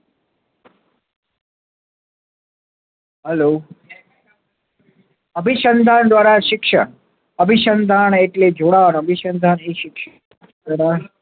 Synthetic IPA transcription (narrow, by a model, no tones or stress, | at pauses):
ɦɛlo | əbʱiʃənd̪ʱand̪ʋaɾaʃɪkʃə | əbʱiʃənd̪ʱaɳeʈled͡ʒoɽanəbʱiʃənd̪ʱaneʃɪkʃ | aɾa